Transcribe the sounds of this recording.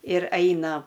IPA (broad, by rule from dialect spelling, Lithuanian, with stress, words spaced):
ɪr ˈɐɪnɐ